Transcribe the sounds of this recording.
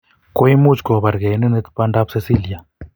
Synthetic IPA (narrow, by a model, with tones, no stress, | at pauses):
ko˦i˦mu˦t͡ʃkɔ˨βa˨ɾɡɛ˨˦nɛ˦nɛ˦t̪pa˦nda˦pse˦si˦˨li˨a˨